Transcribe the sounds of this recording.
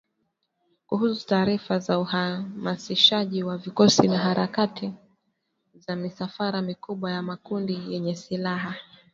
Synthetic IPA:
kuhusu̥taːɾifazauhamasiʃaʄiwavikɔsinaɦaɾʔakatʰi | zamisafaɾamikuɓwajamakundijɛɲɛsilaɦa

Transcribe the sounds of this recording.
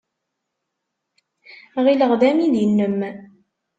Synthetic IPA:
ʁiləʁðæmiðjənːəm

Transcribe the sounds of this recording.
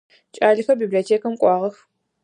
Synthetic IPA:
t͡ʃʼaːɮɨxɐbiːbliotʰeːkɐmkʷʼɑːʁɐx

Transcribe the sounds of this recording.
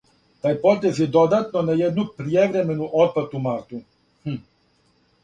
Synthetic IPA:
t̪aipɔt̪ezid̪ɔd̪at̪nɔnɛjɛd̪nupɾiɛvɾɛmɛnuʔɔt̪̚pat̪umaɾt̪u | h̩

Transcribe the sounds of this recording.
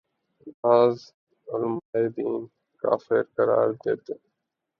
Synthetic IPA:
lɦaːz | ʊlmaːid̪iːn | ka̰ːfɪɾkəɾa̰ːɾd̪eːt̪eː

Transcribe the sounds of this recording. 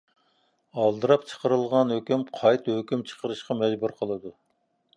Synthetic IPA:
ɑlˠd̪ɨɾɑpt͡ʃʰə̥qəɾɨlˠʁɑnhøkʲymqʰɑjt̪høkʲymt͡ʃʰə̥qʰəɾɨʃqɑmɛd͡ʒbuɾqʰəlˠɨd̪u

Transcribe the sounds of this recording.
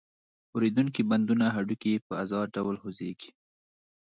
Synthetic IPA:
wɾed̪uŋkiband̪unaɦaɖukiepəazɑɖawlhozeɡ̥i̥

